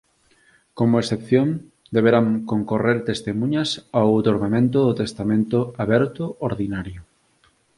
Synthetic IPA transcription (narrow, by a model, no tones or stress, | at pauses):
komoesθepθjoŋ | d̪eβeɾaŋkoŋkoreɾt̪est̪emũɲɐsawat̪oɾɣamẽnt̪ʊðʊt̪est̪amẽnt̪ʊaβɛɾt̪ʊʔoɾðinaɾjʊ